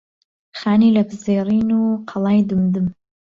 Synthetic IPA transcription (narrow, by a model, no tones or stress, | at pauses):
xaːniːlɐbɨzeːɾiːnuqʰɑlˠɑːjd̪umd̪ɨm